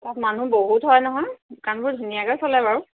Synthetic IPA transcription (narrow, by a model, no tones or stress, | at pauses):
tatmanũboɦutɦɔjnɔɦɔ̃jdʊkanbʊɹdʱunijakɔjsɔlajbaɹu